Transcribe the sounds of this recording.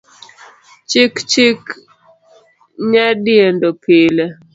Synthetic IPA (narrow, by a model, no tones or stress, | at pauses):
t͡ʃikt͡ʃik | ɲadɪendopʰɪle